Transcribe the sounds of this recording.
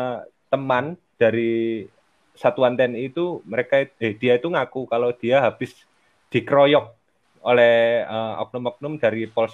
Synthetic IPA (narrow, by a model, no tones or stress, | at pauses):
t̪əmand̥a̤ɾi | sat̪uant̪ɛnit̪uməɾekaited̥i̤jait̪uŋakukalod̪̥i̤aɦab̥ɪs | d̪̥ikɾojɔk̚ | olɛhəɔ̰k̚nʊmɔk̚nʊmd̥a̤ɾipɔls